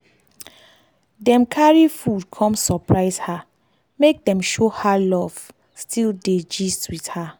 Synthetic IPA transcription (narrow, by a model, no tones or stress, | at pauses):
dɛ̃mkʰaɹifud̚kʰɔ̃msɔpɹaɪsha | mek̚dɛ̃mʃohalɔv̥ | stʰilded͡ʒistwiθha